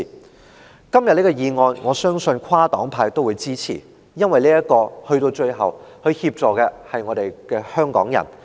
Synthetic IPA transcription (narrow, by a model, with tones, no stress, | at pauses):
kɐ˥mjɐ˨t̚li˥kɔ˧jiː˨˧ŋɔː˧nŋɔː˨˧sœː˥ŋsɵ˧nkʷʰwaː˥t̪ɔ̰ː˨˥ŋpʰaː˧jt̪o˥wuː˨˧jt͡siː˥t͡sʰḭː˨˩ | jɐ˥nwɐ˨jliː˥jɐ˥t̚kɔː˧hɵ˧ɥt̪o˧wt͡ʃɵ˧ɥɦɐ̰˨˩whɵ˧ɥhiː˧p̚t͡ʃɔː˨kɛː˧hɐ˨jŋɔː˨˧ɾe˨jkɛː˧hœː˥ŋkɔ̰ː˨˥ŋjɐ̰˨˩n